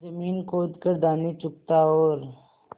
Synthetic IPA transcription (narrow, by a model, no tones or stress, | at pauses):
zɐmiːnkoːd̪kəɾd̪aːnit͡ʃʊk̚t̪aoːɾ